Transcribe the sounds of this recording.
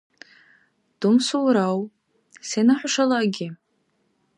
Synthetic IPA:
d̥umsuwɾaw | senaħʷaʂalaɡʲɪ

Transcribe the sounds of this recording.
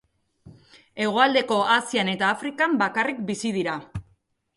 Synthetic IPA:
e̞ɣ̞oald̪e̞ko̞asiane̞t̪aːfɾikambakarik̚bisið̞iɾa

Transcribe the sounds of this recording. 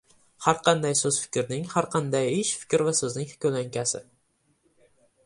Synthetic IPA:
haɾqʰɑnd̪ajsɵzfɪ̥kʲʰɾnɪŋhaɾqʰɑnd̪ajɪʃfɪ̥kʲɾvasɵznɪŋhkʲɵlaŋkʲʰasɪ̰

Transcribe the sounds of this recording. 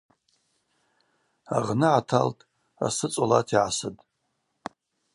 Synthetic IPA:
aʁnɨʕatʰa̰ltʰʼ | a̰sɨt͡sʷʼolatʰiʕasɨdʼ

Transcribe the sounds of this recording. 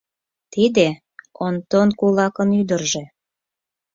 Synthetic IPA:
t̪id̪e | ont̪onkulɑkənyd̪ərʒe

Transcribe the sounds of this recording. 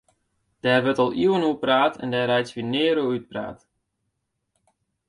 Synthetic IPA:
d̥ɛːrʋətɔlˠiwənuəpraːtʰɛ̰ndɛːrɛjsʋinɪːɾuyt̚pra̰ːt

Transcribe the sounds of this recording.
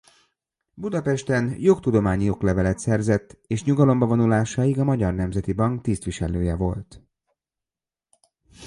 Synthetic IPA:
bud̪ɒpɛʃt̪ɛnjo̞kt̪ud̪o̞maːɲijo̞klɛvɛlɛt̪sɛrzɛt̪ːeːʃɲuɡɒlo̞mbɒvo̞nulaːʃaːjiɡɒmɒɟɒrnɛmzɛt̪ibɒŋkt̪ist̪ʋiʃɛløːjɛvo̞̰lt̪

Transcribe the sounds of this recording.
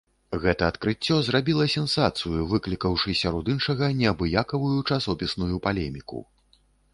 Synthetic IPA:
ɣɛt̪ɐːt̪kɾɨt͡sʲːɔzrabʲilˠɐsʲɛnsat̪sɨjuvɨklʲikɐwʂɨsʲaɾɔd̪inʂɐɣɐnʲɛɐbɨjakɐvujut͡ʂasɔpʲisnujupalʲɛmʲikṵ

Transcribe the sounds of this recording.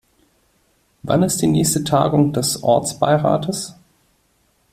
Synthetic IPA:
va̰nɪst̚d̥iːnɛːçstətʰa̰ːɡʊŋd̥ɛsʔɔ̰ɐt͡sb̥a̰ɪʁa̰ːtʰəs

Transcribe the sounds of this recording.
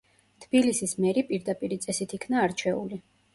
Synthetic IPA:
t̪ʰbilisismɛɾipʼiɾd̪apʼiɾit̪sʼɛsit̪ʰikʰnaːɾt͡ʃʰɛṵli

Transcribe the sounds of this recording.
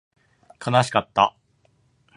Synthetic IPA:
kʰanaɕi̥kat̪ːa̰

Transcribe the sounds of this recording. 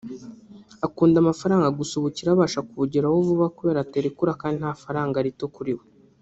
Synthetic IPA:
akuːndamafaɾaːŋɡaɡusuβuciɾaβaːʃakuβuɟiɾawovuβakuβe̞ːɾate̞ɾikuɾakaːndin̥haːfaɾaːŋɡaɾitokuɾiwo

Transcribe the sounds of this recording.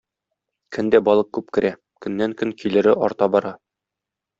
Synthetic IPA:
kʰɵ̆nd̪æbɒlˠɤq̚kʉp̚kɘ̆ɾʔæ | kɵ̆nːæŋkɵŋkilɘ̆ɾɘʔɒ̰ɾt̪ɑbɒɾɑ

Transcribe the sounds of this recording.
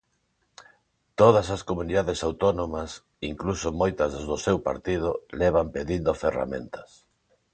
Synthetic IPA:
t̪oð̞ɐsɐskomuniðaðesawt̪onomɐs | iŋklusomojt̪ɐzzðʊsewpa̰ɾt̪ið̞ʊlɛβ̞ampeðind̪ofera̰mḛ̃nt̪ɐ̥s

